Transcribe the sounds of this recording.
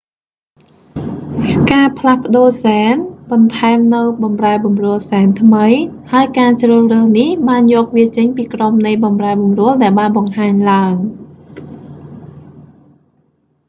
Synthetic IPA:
kaːpʰlahpə̆ɗoːsaɛnɓɑnt̪ʰaɛmnɨwɓɑmraɛɓɑmrʊ̆əlsaɛnt̪ʰməjhaəjkaːt͡ɕrəːhrəːhnihɓaːnjɔːk̚ʋiət͡ɕəɲpiːkromnɨjɓɑmraɛɓɑmrʊ̆əlɗaɛlɓaːnɓɑŋhaːɲlaəŋ

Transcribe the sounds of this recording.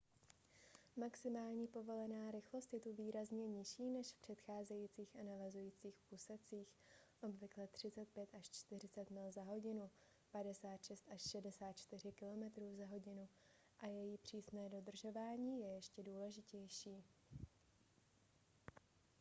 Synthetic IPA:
maksɪmaːlɲiːpo̞vo̞lɛnaːɾɪxlo̞st̪jɛt̪uviːɾazɲɛɲɪʃiːnɛʃfpr̝̥ɛt̪xaːzɛjiːt͡siːxanavazujiːt͡siːxʔusɛt͡siːxʔo̞bvɪklɛt̪r̝̥ɪt͡sɛt̪̚pjɛt̪ʔaʃt͡ʃt̪ɪr̝ɪt͡sɛt̪mɪlzaɦo̞ɟɪnu | padɛsaːt̪ʃɛst̪ʔaʃʃɛdɛsaːt̪̚t͡ʃt̪ɪr̝ɪkɪlo̞mɛt̪ɾuːzaɦo̞ɟɪnu | ʔajɛjipr̝̥iːsnɛːdo̞d̪r̩ʒo̞vaːɲiːjɛjɛʃcɛduːlɛʒɪcɛjʃiː

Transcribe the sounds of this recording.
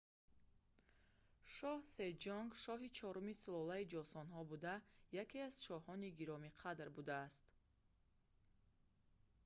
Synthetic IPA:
ʃɔhsed͡ʒɔŋɡʃɔɦit͡ʃʰɔɾumisulɔlaid͡ʒɔsɔnɦɔbud̪ajakʰeaz̥ʃɔhɔniɡiɾɔmiqʰad̪ɾbud̪aːst̪

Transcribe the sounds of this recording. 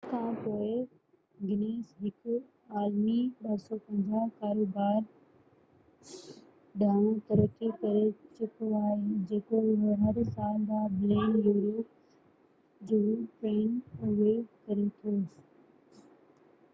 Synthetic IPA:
kʰãːpoːɪ | ɡɪneːsɦɪkʊ | aːlmiɓɐsɔpɐ̃nzãkaːɾoːbaːɾ | ɗaːñũt̪ɐɾoːt̪ikɐɾet͡ɕʊkʰoaːɦed͡ʑeːkoʊɦeɦɐɾsaːld̪ãbɾeːnjuːɾoː | d͡ʑuːpeːnoʋekɐɾet̪ʰoː

